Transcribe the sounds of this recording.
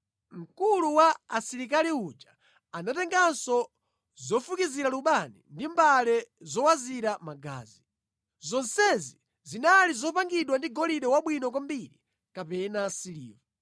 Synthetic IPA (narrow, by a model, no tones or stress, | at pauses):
ŋ̩kuluwaːsiɾik̬aliud͡ʒa | anatɛŋɡansɔ | zɔfukiziɾaluɓanḭndimbalɛzɔwaziɾamaɡa̰ːzi | zɔnsɛzi | zinalizɔpaŋɡiɗwandiɡɔliɗɛwaɓwinɔk̬wambiɾḭ | kapɛnasilḭːva